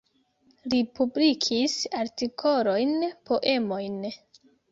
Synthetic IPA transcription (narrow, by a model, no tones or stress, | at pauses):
lipublikʰisaɾtikʰo̞lo̞jnpo̞ʔe̞mo̞jn